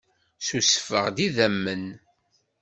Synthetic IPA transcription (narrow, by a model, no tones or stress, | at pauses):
susə̥fə̰ʁd̪iðæmːən